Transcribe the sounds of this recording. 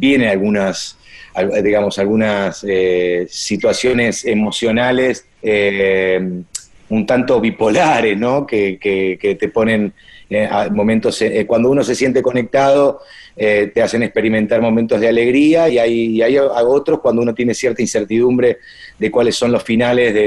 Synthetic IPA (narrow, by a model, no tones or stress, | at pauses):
bje̞nealɣunas | ald̪iɣamo̞salɣunaseːit̪wasjo̞ne̞se̞mosjo̞nale̞s | e | unt̪ant̪o̞βipo̞laɾe̞sno̞kekeket̪e̞po̞nẽ̞neamõ̞mẽnt̪o̞sekwand̪o̞uno̞se̞sje̞nt̪eko̞nek̚t̪aðo̞ | et̪ease̞nekspe̞ɾimẽ̞nt̪aɾmo̞ment̪o̞ɦð̞eale̞ɣɾiaiajːajao̞t̪ɾo̞shkwand̪ouno̞t̪je̞nesjeɾt̪ainseɾt̪iðumbɾe̞ | ðekwalesːo̞nlo̞sfinale̞zðe